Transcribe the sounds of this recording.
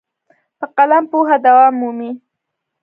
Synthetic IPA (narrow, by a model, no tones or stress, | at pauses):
pəqalampuɦad̪awɑmːumi